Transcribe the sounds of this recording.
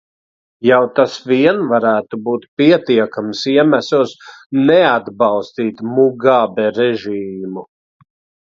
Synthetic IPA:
jawt̪asviɛnvaɾæːt̪ubuːt̪̚piɛt̪iɛkamsiɛmæsusnɛad̪balˠst̪iːt̪muɡaːbɛɾɛʒiːmu

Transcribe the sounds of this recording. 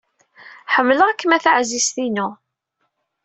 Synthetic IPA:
ħəmːləʁækːəmæθaʕzist̪inu

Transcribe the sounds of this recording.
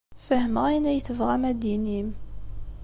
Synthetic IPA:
fəhəməʁæjnæjθəvʁæmæd̪inim

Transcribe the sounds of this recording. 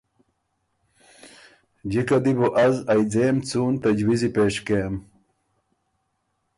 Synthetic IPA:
d͡ʑikɐd̪ibuʔɐzɐjd͡zeːmt͡suːnt̪ɐd͡ʑwizipeːʂkem

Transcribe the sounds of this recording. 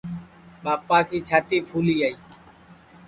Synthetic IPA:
ɓaːpaːkiːt͡ʃʰaːt̪iːpʰuːliːaːiː

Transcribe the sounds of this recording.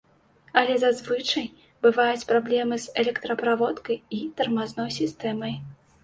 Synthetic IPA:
ɐlʲɛzazvɨt͡ʂɐj | bɨvajut͡sʲpɾablʲɛmɨsɛlʲɛkt̪ɾɐpɾavɔt̪kɐjit̪ɐrmaznɔjsʲist̪ɛmɐj

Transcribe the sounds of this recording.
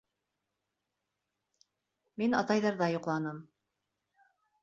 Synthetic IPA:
minɑ̰t̪ɑjðɑɾðɑjoqlˠɑnɤm

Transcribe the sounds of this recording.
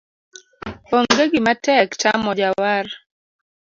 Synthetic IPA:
oŋɡeɡɪmatɛktamɔd͡ʒawar

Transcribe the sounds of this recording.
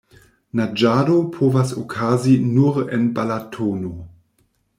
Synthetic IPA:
nad͡ʒaːdopʰoːvasokʰaːzinuɾenbalatʰoːno

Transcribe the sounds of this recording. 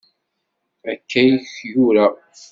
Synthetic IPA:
ækʰːæjçjuɾa

